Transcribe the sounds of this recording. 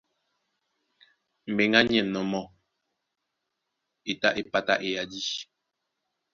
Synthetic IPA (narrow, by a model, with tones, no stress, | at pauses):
m̩˨be˨ŋa˦ɲ˦ɛ˦˨nɔ˨mɔ˨ | e˨ta˦ʔe˨pa˦ta̰˦ʔe˨ja˨di˦